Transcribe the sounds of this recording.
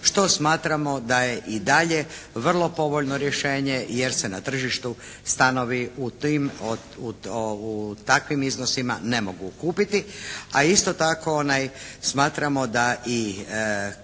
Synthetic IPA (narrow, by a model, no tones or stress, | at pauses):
ʃt̪o̞smaːt̪ɾamo̞d̪aje̞ʔid̪aʎeʋr̩lˠo̞po̞ʋo̞ʎno̞ɾje̞ʃeːɲe̞jeɾsenat̪r̩ʒiʃt̪u | st̪ano̞ʋiut̪im | uut̪akʋimizno̞sima̰ne̞moɡukuːpit̪iaist̪o̞t̪ako̞onajsmaːt̪ɾamo̞d̪aʔi